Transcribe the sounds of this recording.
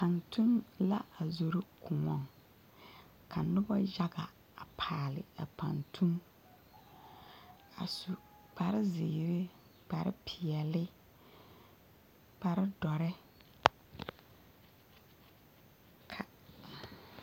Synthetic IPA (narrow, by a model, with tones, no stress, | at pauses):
pa˨ntu˦nla˦ʔa˨zo˨ɾɪ˦kʊ˨ŋɔ˦˨ŋ | kʰa˨nʊ˦bɔ˦d͡ʒa˦ɡa˨ | a˨pʰaː˨lɪ̰˨a̰˨pa̰˨ntʰu˦m | a̰˨su˨ | pa˨ɾɪ˦zɪ˨ɾɪ˦ | pa˨ɾɪ̰˦pʰɪ˨ɛ˨lɪ˦ | pa˨ɾɪ˦dɔ˨ɾɪ˦ | kʰa˨